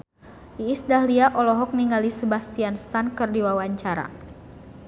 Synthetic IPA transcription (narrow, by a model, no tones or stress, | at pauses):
ʔiːsdahliaʔɔlɔɦɔk̚niŋɡalisəbast̪ianst̪ankɨrdiwawaɲt͡ʃaɾa̰